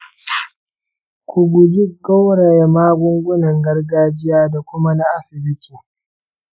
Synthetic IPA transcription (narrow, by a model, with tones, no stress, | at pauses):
kʷʊ˨ɡʷʊ˨d͡ʒi˦ɡa˦wɽa˨ja˨maː˦ɡʷʊ˦ŋɡʷʊ˦nɐ˨ŋɡɐ˦rɡaː˦d͡ʒɪ˦jaː˦da˨kʷʊ˦ma˦na˦ʔa˦sɪ˨bɪ˦tʰi˨